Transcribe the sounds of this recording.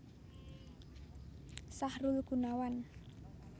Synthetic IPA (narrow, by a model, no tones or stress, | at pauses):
sahrulɡ̥unawan